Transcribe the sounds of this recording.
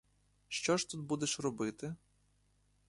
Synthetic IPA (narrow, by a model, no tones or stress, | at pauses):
ʃt͡ʃɔʃt̪ut̪̚bud̪eʃrɔbɪt̪ɪ